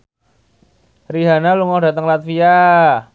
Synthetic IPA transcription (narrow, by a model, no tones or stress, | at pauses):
riɦanaluŋɔda̤t̪əŋlat̪̚fia